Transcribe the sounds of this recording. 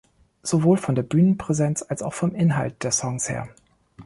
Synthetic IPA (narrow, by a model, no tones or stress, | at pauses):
z̥ovoːlfɔndeːɐbyːnənpʁ̥ɛzɛnt͡salsaʊxfɔmʔɪnɦalt̚d̥eːɐsɔŋshḛːɐ